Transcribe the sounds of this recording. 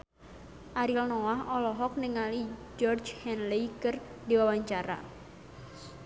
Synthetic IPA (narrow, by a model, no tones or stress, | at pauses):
ʔaɾilnɔwaɦɔlɔɦɔk̚niŋalid͡ʒɔrd͡ʒhɛnlejkərdiwawaɲt͡ʃaɾa̰